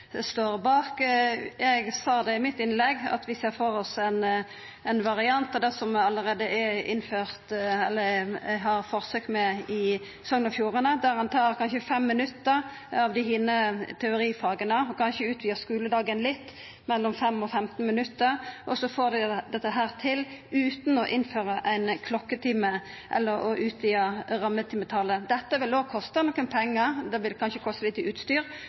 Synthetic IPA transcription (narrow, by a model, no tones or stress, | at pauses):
st̪oːʁbɑːkjɛɡsɑːd̪ɛɪmɪt̪ːɪnlɛɡɑ̰t̪ʋɪseːfɔɾɔsɛn | ɛnʋɑʁɪɑnt̪ɑd̪ɛsɔmɑlːəɾeːd̪əʔɛɪ̰nːføːɾt̪ɛlːəɦɑɾfɔʁsøːkmɛɪ | sɔŋənɔfjuːʁənəd̪æɾhɑnt̪ʰɑːɾkʰɑnʃəfɛmːɪnʉt̪ːəɾ | ɑʋd̪ɪhɪːnət̪ʰɛʊɾiːfɑːɡənəɔkʰɑnʃəʉːt̪ʋiːəskʉːləd̪ɑːɡənlɪt̪ː | mɛlːɔmfɛmːɔfɛmt̪nmɪnʉt̪ːəɾʔɔsɔfoːd̪ɛd̪ɛt̪ːəɦæːʁt̪ʰɪlʉːt̪nɔʔɪnføːʁəʔæɪnkʰlɔkːət̪ʰɪmə | ʔɛ̰lːəɾɔʔʉːt̪ʋiːɑʁɑmːət̪ʰɪmət̪ʰɑləd̪ɛt̪ːəʋɪloːkʰɔst̪ənɔkːənpʰɛŋːəɾd̪ɛʋɪlkʰɑnʃəkʰɔst̪əlɪt̪ːʉːt̪st̪yːʁ